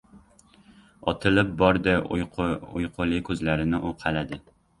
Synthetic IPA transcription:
ɒ̰t̪ʰɪlɪp̚bɒɾd̪ɪ | ʊjqʰʊlˠɪkʰɵzlaɾɪnɪʔʊqʰɑlad̪ɪ

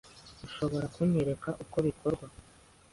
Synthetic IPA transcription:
uʃo̞βo̞ɾakuɲeɾe̞kaʔuko̞βikʰoɾɡwa

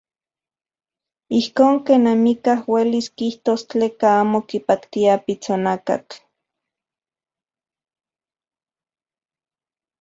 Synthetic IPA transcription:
ihkoːŋkeːnamikahweliskiht̪ost͡ɬeːkaaːmokipakt̪iapit͡sonaka̰t͡ɬ

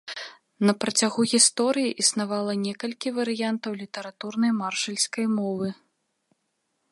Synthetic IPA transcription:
nɐpɾɐt͡sʲaɣuɣʲist̪ɔɾɨjiʔisnavalˠɐnʲɛkɐlʲkʲivɐɾɨjant̪ɐwlʲit̪ɐɾat̪urnɐjmarʂɐlʲsʲkɐjmɔvɨ

